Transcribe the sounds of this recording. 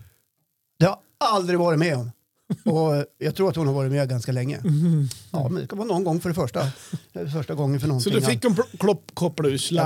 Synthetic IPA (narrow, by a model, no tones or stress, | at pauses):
d̪̥ɛhaɾ | ald̪ɾɪɡvɑːɾɪt̪mɛɔm | ɔjɑɡt̪ʰɾuːɾat̪hʊnhaɾvɑːɾɪt̪mɛɡanskalɛŋːə̰ | ɑ̰ːmɛnd̪ɛ̰skavɑːnɔnːɡɔŋːfœɖɛfœʂʈafœʂʈaɡɔŋːənfœɳɔnsɔɪd̪ɵɪkːɔkʰɔkʰɔpːɽʉsla